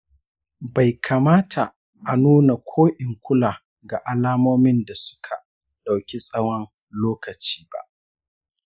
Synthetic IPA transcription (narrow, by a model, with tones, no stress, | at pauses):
ba˨jkʰa˨maː˦tʰa˨ | ʔa˨nuː˦na˨kʷʰoː˦ʔɪ˨ŋkʷʊ˦laː˨ | ɡa˨ʔa˨laː˦moː˦mɪ˦nda˨sʊ̥˦kʰa˨ | ɗa˨wkʲi˦sʼɐ˦wɔ˦n | loː˦kɐ˨t͡ʃi̥ː˦ba̰˦ʔ